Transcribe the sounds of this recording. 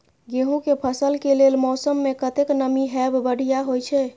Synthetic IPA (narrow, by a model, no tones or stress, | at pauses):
ɡeɦũkepʰəsəlkelelmɔsəmːekət̪eknəmiɦɛbbəɽ̤ijaɦojt͡ʃʰɛ